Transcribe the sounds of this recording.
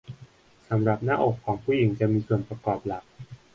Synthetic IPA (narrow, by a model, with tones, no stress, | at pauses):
sa˩˦mɾa˨˩p̚na̰ː˥ʔoː˨˩kʰːɔː˩˦ŋpʰuː˧˩ji˩˦ŋt͡ɕa˨˩miː˧su˨˩ənpɾa˧kɔː˨˩p̚la˨˩k̚